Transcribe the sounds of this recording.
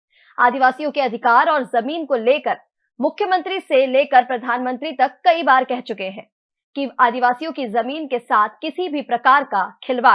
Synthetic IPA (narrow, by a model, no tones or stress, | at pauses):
a̰ːd̪iʋaːsijõkeɐd̪ʱɪkaːɾɔːɾzɐmiːnkoleːkəɾ | mʊkʰːjəmɐ̃nt̪ɾiseleːkəɾpɾɐd̪ʱaːnmə̃nt̪ɾit̪ɐkːɐibaːɾkɛɦt͡ʃʊkeɦɛ̃ː | kiaːd̪iʋaːsijõkizɐmiːnkesaːt̪̚ʰkɪsibʱipɾɐkaːɾkakʰɪlʋa